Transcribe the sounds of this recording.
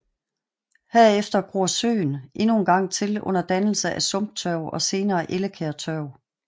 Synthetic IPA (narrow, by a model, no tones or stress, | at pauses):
hæɐ̰efd̥ɐɡ̥ʁuɐsø̰ːnʔe̝nunɡ̥ɑ̈ŋ̰t͡sʰe̝lɔ̽n̰ɐd̥ænl̩səʔæsɔ̽m̰b̥̚t͡sʰœʊɒ̽se̝ːnɐːʔe̝ləkʰeɐt͡sʰœʊ